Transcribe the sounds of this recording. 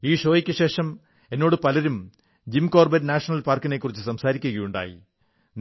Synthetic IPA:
iːʂo̞ːjikʲːɐɕe̞ːʂɐm | e̞nːo̞ːɽɨpɐlɐɾum | d͡ʑimko̞ːrbɐɾnaːʂɐnɐlpaːrkːine̞kːurit͡ɕːɨsɐmsaːɾikʲːuɣɐjuɳɖa̰ːjḭ | n

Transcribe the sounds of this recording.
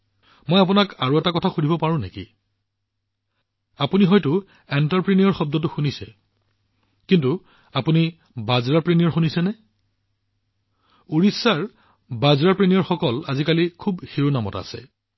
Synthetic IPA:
mɔjap̬unakaɹuɛtakɔtʰaxunʱibɔpaɹʊ̃nḛkḭ | apuniɦɔjtʊ | entaɹpɹeniɔɹxɔb̚dɔt̬ʊxunisɛ | kintu | apuni | bazɹapɹenijɔɹxunisɛnɛ | uɹisːaɹ | bazɹapɹenijɔɹxɔkɔlazikalikʰubxiɹunamɔta̰sɛ̰

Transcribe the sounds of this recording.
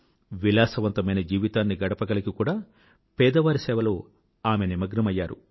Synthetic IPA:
ʋilaːsɐʋɐnt̪ɐmɐjnɐd͡ʒiːʋit̪aːnːiɡɐɽɐpɐɡɐlɐkikuːɽaː | pɛːd̪ɐʋaːɾisɛːʋɐlo̞ː | aːmenimɐɡɾɐmɐjːaːɾṵ

